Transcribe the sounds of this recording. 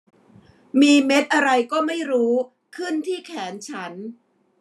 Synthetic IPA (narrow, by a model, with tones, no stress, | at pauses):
miː˧me˦˥t̪̚ʔa˧ɾa˧jkɔː˥˩ma˥˩jɾuː˦˥ | kʰɯ˥˩nt̪ʰiː˥˩kʰɛː˩˦nt͡ɕʰa˦˥n